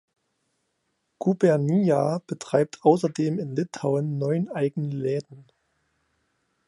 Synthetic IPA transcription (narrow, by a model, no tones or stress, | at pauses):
ɡ̥ubɛɐniab̥ətʁ̥aɪp̚tʰʔaʊs̬ɐdeːmɪnlɪtʰaʊənːɔʏənʔaɪɡŋəlɛːdn̩